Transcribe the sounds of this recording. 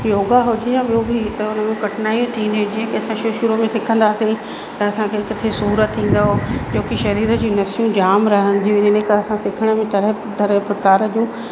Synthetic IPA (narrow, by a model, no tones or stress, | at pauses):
joːɡaɦʊt̪ʰiɦãːɓijobʱit̪ɐʊnə̆mẽkɐʈʰnaːjũt̪ʰĩːnd̪ijũd͡ʑiːə̃kiɐsãʃʊʃʊɾomẽsɪkʰə̃nd̪aːse | t̪ɐɐsãkʰeɪkʊt̪ʰesuːɾət̪ʰːĩːn̆d̪aɦod͡ʑoːkiʃɐɾiːɾə̆d͡ʑũːnɐsijũd͡ʑaːmɾɐɦə̃nd̪ʱijũɪnnekɐɾsãsɪkʰəɽ̃əmẽt̪ɐɾ | d̪ɐɾpɾɐkaːɾəd͡ʑũː